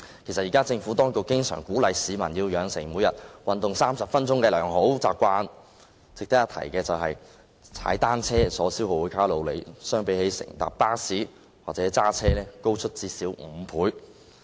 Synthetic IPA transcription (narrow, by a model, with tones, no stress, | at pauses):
kʰe˨˩jsɐ˨jiː˨kaː˥t͡sɪ˧ŋfuː˨˥t̪ɔː˥ŋkʊ˨k̚kːɪ˥ŋsœ̰ː˨˩ŋkuː˨˥lɐ˨˧jsiː˨˧mɐ̰˨˩njiː˧wjœː˨˧ŋsɪ˨˩ŋmu˨˧jɐ˨t̚wɐ˨nt̪ʊ˨ŋsaː˥msɐ˨p̚fɐ˥nt͡sʊ˥ŋkɛː˧lœː˨˩ŋɦo˨˥wt͡saː˨˧p̚kʷaː˧n | t͡sɪ˨k̚t̪ɐ˥jɐ˨˩t̪ʰɐ˨˩jkɛː˧t͡sɐ˨wɦɐ̰˨j | t͡sʰa̰ː˨˥jt̪aː˥nt͡sʰɛː˥sɔː˨˥siː˥who˨wu˨˧˥kʰaː˥wlo˨˧wle˨˧jsœː˥ŋpe˨˥jhe˨˥jsɪ̰˨˩ŋt̪a̰ː˨˩p̚paː˥siː˨˥ | waː˨k̚t͡sɛː˨˥t͡saː˥t͡sʰɛː˥lɛː˥ko˥wt͡ʃʰɵ˥t̚t͡siː˧siː˨˥wm̩˨˥pʰuː˨˥j